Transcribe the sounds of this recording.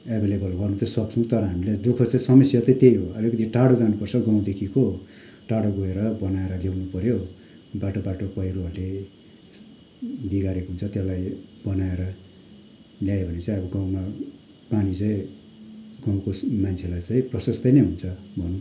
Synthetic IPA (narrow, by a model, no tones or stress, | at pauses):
ebʱelebʌlɡʌrnut͡sʰʌswʌkt͡sʰut̪ʌɾʌɦamiled̪ukʰʌt͡saĩsʌmʌsjʌtʌĩt̪ejɦoʌlikʌt̪ʰiʈaɽod͡zanupʌrt͡sʰʌɡaw̃d̪ekʰiko | ʈaɽoɡoeɾʌbʌnaeɾʌlewnupʌɾjo | baʈobaʈopʌjɾuɦʌrle | d̪iɡaɾekoɦunt͡sʰʌt̪elajb̥ʌnaeɾʌ | ljajebʱʌnet͡saĩʌbʌɡawma | panit͡saĩ | ɡãw̃komant͡sʰelajt͡sãĩprʌsʌst̪ʌjnʌjɦunt͡sʰʌbʱʌn